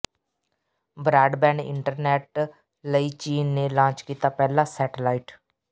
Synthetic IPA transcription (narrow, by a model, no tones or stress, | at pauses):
bɾaːɖbɛ̃ːɳɖɪ̰ɳʈəɾnɛːʈ | ləiːt͡ʃiːnːeːlãːt͡ʃkiːt̪aːpɛːlaːsɛːʈəlaːiːʈ